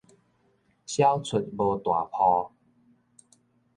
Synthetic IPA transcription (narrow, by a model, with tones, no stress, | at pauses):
ɕja˦wt͡sʰə˨˩t̚bɔ˧t̪wa̰˨˩pʰɔ˧